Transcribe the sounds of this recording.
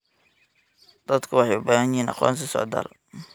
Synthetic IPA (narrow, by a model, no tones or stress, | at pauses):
d̪̥ɐd̪kʰʊwɑħɑjʊbaːhɐnjɪhiːnɑ̰qɔ̰ːnsɐsɔ̰ʕd̪a̰ːl